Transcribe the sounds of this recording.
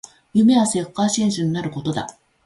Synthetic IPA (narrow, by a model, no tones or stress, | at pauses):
jɯ̟me̞βase̞kːaɕĩɰ̃ɕɨɲ̟inaɾɯ̟ko̞t̪o̞d̪a̰